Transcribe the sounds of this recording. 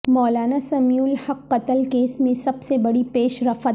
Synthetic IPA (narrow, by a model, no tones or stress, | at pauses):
mɔːlaːnasɐmjuːlhɐqːɐt̪əlkeːsmẽsɐbsebɐɽipeːʃɾɐfət̪